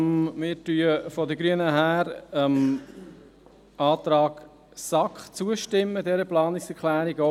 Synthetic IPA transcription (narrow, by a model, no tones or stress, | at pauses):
mɪːɾtyəfɔdəɡɾyənəɦæːɾəm | ʔɑːt̪ɾɑːɡ̥ | sɑkχt͡suəʃtɪmːədɛɾəplɑːnɪksɛɾkʰlæːɾiɡɔ